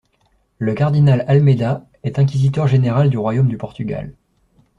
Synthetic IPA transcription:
ləkaʁd̪inalalmed̪a | ɛt̪ɛ̃k̬ʲizit̪œʁʒeneʁald̪yʁwajomd̪ypɔʁt̪yɡʲa̰l

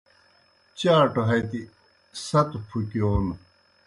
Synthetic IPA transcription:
t͡ɕãːʈoɦɐjt̪i | sɐt̪upʰukioːnu

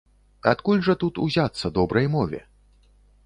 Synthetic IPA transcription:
at̪kulʲʐɐt̪ut̪ṵzʲat̪sːɐd̪ɔbɾɐjmɔvʲɛ̰

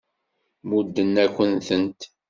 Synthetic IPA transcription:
mud̪ːənːækʷːənθənt̪

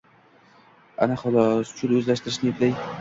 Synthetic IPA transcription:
a̰naχʊlˠɒst͡ʃʰʊlɵzlaʃt̪ɪɾɪʃnɪjeplaj

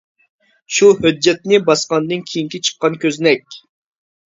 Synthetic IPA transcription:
ʃuɦød͡ʒːɛt̪nɪbɑsqɑnd̪ɨnkʲʰijiŋkʲit͡ʃʰə̥qːɑnkʲʰøznɛkʲ

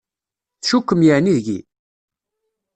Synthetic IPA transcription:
θʃukːəmjəʕniðɡḭ

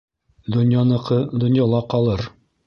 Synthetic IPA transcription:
d̪ŏnjɑnɤ̆qɤd̪ŏnjɑlˠɑqɑlˠɤɾ

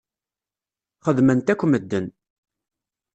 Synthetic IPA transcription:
χəðmənt̪ækʷːməd̪ːən

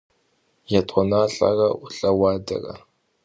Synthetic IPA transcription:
jatʰʼʷɔnaːɬʼa̰rɐʔʊɬʼɐwaːdɐ̰rɐ̰

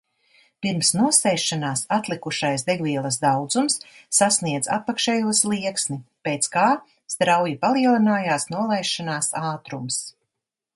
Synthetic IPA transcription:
piɾmsnuɔsɛːʃːanaːsat̪lˠikuʃajsd̪ɛɡviɛlˠɐsd̪awd̪zumsːasniɛd̪za̰pakʃɛːjuɔslˠiɛksnipeːt̪skaː | st̪ɾawjipaliɛlˠinaːjaːsnuɔlˠɛjʃanaːsaːt̪ɾums

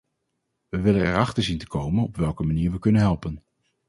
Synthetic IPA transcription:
ʋəʋɪlənɛ̰ɹɑχtəɹzintə̥kowmənɔpʋɛlˠkəmaniːɹʋəkɵnənɦɛlˠpən

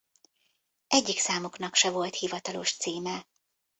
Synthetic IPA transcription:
ʔɛɟːiksaːmoknɒkʃɛvo̞lt̪hivɒt̪ɒlo̞̰ʃt̪siːmɛ

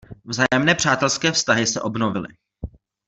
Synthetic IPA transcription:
vzaːjɛmnɛːpr̥aːt̪ɛlskɛːfst̪aɦɪsɛʔo̞bnovɪlɪ̰

